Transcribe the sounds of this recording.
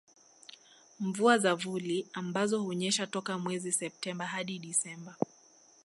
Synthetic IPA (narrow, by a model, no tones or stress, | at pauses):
ɱvuazavuliambazɔhuɲɛʃatɔkamwɛzisɛp̚tɛmbaɦaɗiɗisɛmba